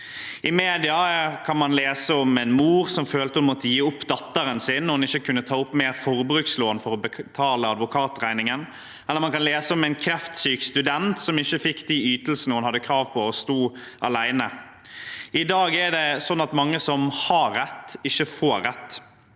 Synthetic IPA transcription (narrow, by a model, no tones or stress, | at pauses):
ɪmeːd̪ɪɑkʰɑnmɑnleːsəɔmɛɪnmuːʁsɔmføːlt̪əhənmɔt̪ːəjiːʊpːd̪ɑt̪ːəɾənsɪnːɔhɑnɪçəkʰʉnːət̪ʰɑːʊpːmeːɾfɔɾbɾʉːksloːnfɔɾɔbət̪ʰɑːləɑd̪ʋʊkʰɑːt̪ʁæɪnɪŋən | ɛləɾmɑnkɑnleːsəɔmɛɪnkʰɾɛft̪syːkst̪ʉd̪ɛnt̪sɔmɪçːəfɪkːd̪iyːt̪l̩sən̩əhʉnhɑd̪ːəkʰɾɑːʋpʰɔɔst̪uːɑlæɪnə | ɪd̪ɑːɡæɖɛsɔnːɑt̪mɑŋːəsɔmhɑɾːɛt̪ːɪçːəfoːɾːɛt̪ː